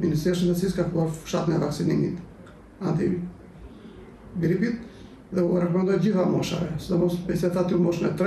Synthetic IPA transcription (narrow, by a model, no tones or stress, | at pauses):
minist̪ɾiɛʃəɛsiskakuaɾfu̥ʃat̪ənɛvaksinimḭt̪ | ad̪i | ɡɾipit̪̚ | ðɛuɾɛkɔmɛnd̪ɔjɟiθamɔʃa̰vɛsɛd̪ɔmɔst̪bɛsiat̪at̪iumɔʃnɛ̰t̪ɾ